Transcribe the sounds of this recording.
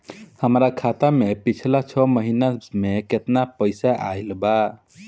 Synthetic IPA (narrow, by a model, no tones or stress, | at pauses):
həmɾakʰat̪amepit͡ʃʰlat͡ʃʰɔməɦinameket̪napəɪsaʔa̰jlba